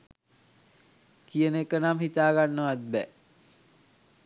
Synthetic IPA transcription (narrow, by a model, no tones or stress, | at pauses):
kijənekːənamhit̪aːɡanːəʋat̪̚bɛ